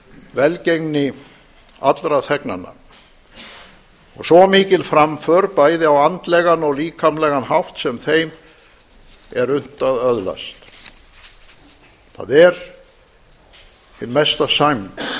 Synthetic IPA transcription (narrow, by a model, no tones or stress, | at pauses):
vɛlcejŋnɪ | a̰t̪lɾaθʰɛkna̰nːa̰ | ɔ̰ɣsɔmɪːcɪlfɾamfœːɾpaːjðɪawant̪lɛɣanɔɣliːkʰamlɛɣanhawht̪sɛmθejm | ɛɾʏn̥t̪aðœðla̰st̪ | θa̰ðɛɾ | ɪnmɛst̪asajm